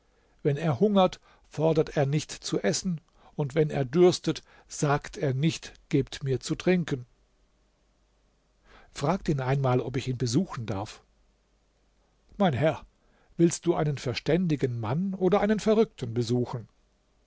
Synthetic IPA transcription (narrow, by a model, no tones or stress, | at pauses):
vɛneːɐhʊŋɐt | fɔɐdɐteːɐnɪçtt͡suʔɛsn̩ | ʊntvɛnḛːɐdʏɐstət | z̥aːktʰeːɐnɪçtɡ̥eːptmiːɐt͡sutʁ̥ɪŋkən̩ | fʁ̥aːk̚tiːnaɪnmaːlɔp̬ɪçiːnbəzuːxn̩da̰ɐf | maɪnɦɛɐ | vɪlst̚d̥uːʔaɪnənfɛɐʃtɛndɪɡən̩manʔoːdɐʔaɪnənfɛɐʁʏk̚tn̩bəzuːxn̩